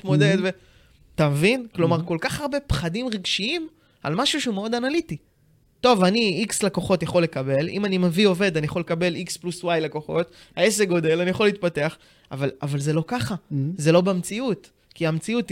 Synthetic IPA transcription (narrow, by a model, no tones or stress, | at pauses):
tmod̪ed̪ve | tamevinklo̞maʁko̞lkaχaʁbe̞pχadimʁiɡʃiim | a̰lmaʃuʃeumeo̞d̪analiti | to̞vaniikslako̞χo̞tjaχo̞lːe̞kabe̞lḭmanimevio̞ve̞d̪anijaχo̞lekabe̞likspluswajlako̞χo̞thae̞seɡo̞d̪e̞lanijaχoliːt̪̚pate̞aχ | a̰valavalze̞lo̞kaχaze̞lo̞bemt͡siut | kiamt͡siut